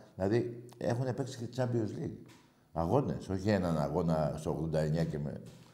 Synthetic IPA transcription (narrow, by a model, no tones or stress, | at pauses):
ðlɐðie̞̰xunepeksi̥ct͡sɐbiozli | ɐɣo̞ne̞̰so̞çienɐna̰ɣo̞nɐst̪oɣðo̞nd̪ɐeɲɐcemḛ